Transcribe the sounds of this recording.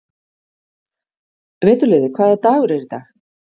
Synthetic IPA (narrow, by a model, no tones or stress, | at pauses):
vɛːt̪ʏlɪːðɪkʰvaːðat̪aːɣʏɾɛɾit̪a̰ːx